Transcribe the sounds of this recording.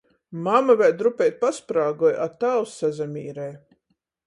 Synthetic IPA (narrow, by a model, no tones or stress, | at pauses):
mamavɛɾd̪ɾupʲɛjt̪̚paspɾaːɡɔjat̪awsːazamʲiːɾɛj